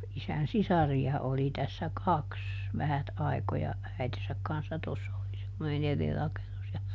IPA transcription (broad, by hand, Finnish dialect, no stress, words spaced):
isæn sisɑriɑ oli tæsːæ kɑks ʋæhæt ɑi̯kojɑ æitesæk kɑnsːɑ tosːɑ oli semːonen eri rɑkenus jɑ